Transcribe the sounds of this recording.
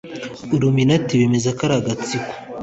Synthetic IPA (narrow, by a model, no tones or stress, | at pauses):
uɾuminatiβemezakaɾaɡat͡siku̥